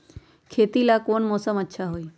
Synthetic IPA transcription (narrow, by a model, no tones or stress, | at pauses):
kʰeːt̪ilakoːnmɔːsəmətːʃʰaɦoiː